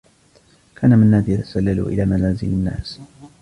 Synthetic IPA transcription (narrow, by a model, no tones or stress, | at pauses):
kʰaːnamɪnːaːsjat̪ḁsalːalṵʔɪ̰laːmanaːzɪlɪnːa̰ːs